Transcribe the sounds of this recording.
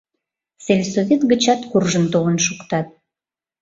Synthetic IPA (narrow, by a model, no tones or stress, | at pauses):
selʲsovʲet̪ɡə̆t͡ɕɑt̪kurʒənt̪oβənʃukt̪ɑt̪̚